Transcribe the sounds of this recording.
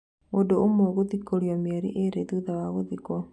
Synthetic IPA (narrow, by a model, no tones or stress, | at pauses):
moːdoomoɣoðikoɾjɔmjɛɾḭʔeɾeðuðawaɣoðikɔ